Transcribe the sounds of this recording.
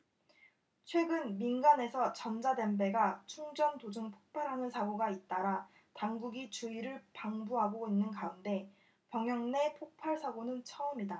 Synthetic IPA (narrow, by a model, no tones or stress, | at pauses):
t͡ɕʰwe̞ɡɯnminɡane̞sʰʌt͡ɕʌnd͡ʑade̞mbe̞ɡat͡ɕʰuŋd͡ʑʌntod͡ʑɯŋpʰo̥k̚pʰaɾɦanɯnsʰaɡoɡait̚t͈aɾa | taŋɡuɡit͡ɕuiɾɯɭpaŋbuɦaɡoinːɯnkaunde̞ | pjʌŋjʌŋne̞pʰok̚pʰaɭsʰaɡonɯnt͡ɕʰʌʌmida